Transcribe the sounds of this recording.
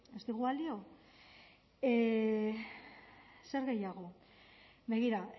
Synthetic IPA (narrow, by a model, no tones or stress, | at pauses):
e̞st̪iɣuald̪io̞ | e | se̞ɾɣe̞jaɣ̞o̞ | βe̞ɣ̞iɾa